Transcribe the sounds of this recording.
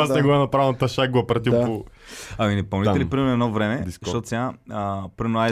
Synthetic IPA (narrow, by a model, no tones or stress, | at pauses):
asnɛɡɔɛnɐpɾavnɐt̪ɐʃak̚ɡʊɐpɾɐt̪ipo | ɐminɛpɐnit̪ɛlipɾimɛnɛd̪nɔvɾɛmɛst̪ɔt̪o̥sʲaəpɾinoa